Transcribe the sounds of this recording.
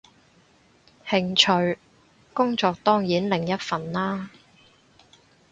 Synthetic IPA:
hɪ˨ŋt͡ʃʰɵ˨ɥ | kʊ˥ŋt͡ʃɔː˧k̚t̪ɔː˥ŋjiː˨˥nlɪ˨ŋjɐ˥t̚fɐ˨nlaː˥

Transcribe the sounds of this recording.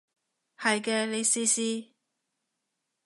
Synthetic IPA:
hɐ˨jkɛː˧le˨˧jsiː˧siː˧

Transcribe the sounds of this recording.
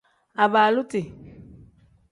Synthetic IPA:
a˨baː˨lʊ˦tɪ˨

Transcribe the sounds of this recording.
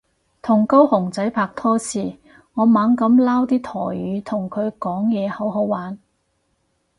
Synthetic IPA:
t̪ʰʊ˨˩ŋkɐ˥whʊ˨˩ŋt͡sɐ˨˥jpʰaː˧k̚t̪ʰɔː˥sʰiː˧ | ŋɔː˨˧maː˨˧ŋkɐ˨˥mlaː˥wt̪iː˥t̪ʰɔː˨˩yː˨˧t̪ʰʊ˨˩ŋkʰɵ˨˧ɥkɔː˨˥ŋjɛː˨˧hɐ˨˥wɦo˨˥wwaː˨˥n

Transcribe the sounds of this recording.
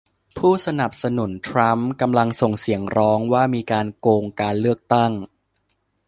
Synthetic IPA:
pʰuː˥˩sa˧na˨˩p̚sa˧nu˨˩˦nt̪ʰɾa˦˥mka˧mla˧ŋso˨˩ŋsi˩˦əŋɾɔː˦˥ŋwaː˥˩miː˧kaː˧nkoː˧ŋkaː˧nlɯ˥˩ək̚t̪a˥˩ŋ

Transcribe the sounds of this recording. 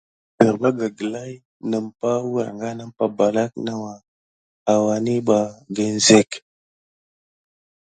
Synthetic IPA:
bə˨ɾba˦ɡa˨ɡə˨la˦j | nə˨mpa˦wə˨ɾŋɡa˦na˦m˦pa˨ba˨la˦k̚na˦wa˨ | a˨wa˨ni˦ɓa˨ɡə˨n˦ze˦˨k

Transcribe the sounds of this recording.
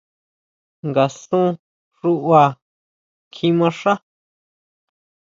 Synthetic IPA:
ŋɡa˨sũ˦ | ʐu˦ʔwa˧ | kʰĩ˧˦mã˧ʂã˦

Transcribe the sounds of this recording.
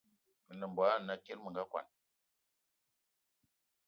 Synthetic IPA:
mə˨nə˨mbwa˨˦˨na˦ke˦lmə˨ŋɡa˦kwa̰˨n

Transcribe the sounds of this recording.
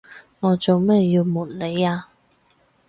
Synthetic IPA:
ŋɔː˨˧t͡so˨wmɛː˥jiː˧wmuː˨t̚ne˨˧jaː˧

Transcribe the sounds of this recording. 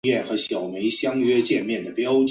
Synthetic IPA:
ɛ˥˩nxɤ˧˥ɕjɑ˨˩ʊme˧˥ɪɕjɑ˥ŋɥɛ˥t͡ɕjɛ˥˧nmjɛ˥˩nd̪ə˩pjɑ˥ʊt͡ɕ

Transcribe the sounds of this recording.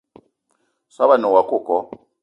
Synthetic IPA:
sa˦βa˦˨nɔ˨wa˨kʊ˦˨kɔ˦

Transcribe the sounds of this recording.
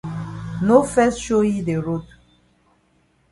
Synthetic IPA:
no˦fɛ˦sʃo˦ji˦de˨ɹo˦t

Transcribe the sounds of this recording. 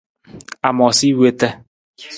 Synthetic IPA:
a˨mɔ˨si˦we˦t̪ɛ˦

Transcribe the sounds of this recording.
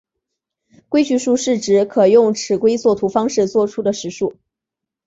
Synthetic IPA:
kwe˥ɪt͡ɕy˥˧ʂu˥˧ʂɻ̩˥˩ʈ͡ʂɻ̩˧˥kʰɤ˨˩jʊ˥˩ŋʈ͡ʂʰɻ̩˨˩kwe˥ɪt͡swɔ˥˩t̪ʰu˧˥fɑ˥ŋʂɻ̩˥˧t͡swɔ˥˩ʈ͡ʂʰu˥d̪ə˨ʂɻ̩˧˥ʂu˥˩

